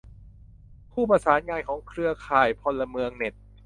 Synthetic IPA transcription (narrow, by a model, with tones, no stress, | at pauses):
pʰuː˥˩pɾa˧saː˩˦nŋaː˧nkʰɔː˩˦ŋkʰɾɯ˧ɐkʰaː˨˩jpʰɔ˧nlːa˧mɯ˧əŋne˨˩t̪̚